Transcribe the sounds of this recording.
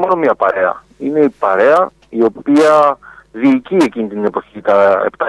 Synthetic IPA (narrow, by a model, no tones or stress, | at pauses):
moɾomɲɐpɐ̰ɾe̞ɐ̰ | ine̞ipɐɾe̞ɐ | io̞p̚iɐðiːcie̞cinit̪ine̞poçit̪ɐḛpt̪ɐ